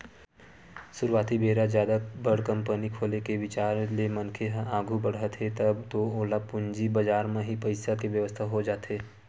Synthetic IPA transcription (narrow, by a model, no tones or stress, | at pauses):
sʊɾʋaːt̪ibeːɾazjaːd̪abəɽkɐ̃mpənikʰoːlekeʋɪt͡ʃaːɾlemɐnkʰeɦaːɡʱubəɽɦət̪ɦet̪ɐbt̪ooːlapʊɲd͡ʒibɐd͡ʒaːɾmẽɦipɐɪsakeʋjəʋəst̪ʰaɦod͡ʒaːt̪eː